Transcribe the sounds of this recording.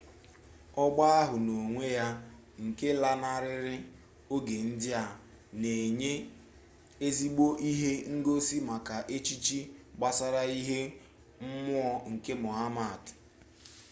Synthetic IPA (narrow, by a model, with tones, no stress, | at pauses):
ɔ˦ɡ͡ba˦a˦ɦʊ˨no˨ŋʷe˦ja˦ | ŋ̩˨ke˦la˦na˦ɾɪ˦ɾɪ˦ | o˦ɡe˨n̩˦dɪ˦a˨ | ne˨ɲe˦ | e˦zi˦ɡ͡bo˦ʔi˦ɦe˦ŋ̩˦ɡo˦si˦ma˨ka˨ʔe˦t͡ʃi˦t͡ʃi˦ɡ͡ba˦sa˦ɾa˦i˦ɦe˦ | m̩˦mʊ˦ɔ˦ŋ̩˨ke˦mʊ˨ɦa˦ma˦˨tɪ̥˨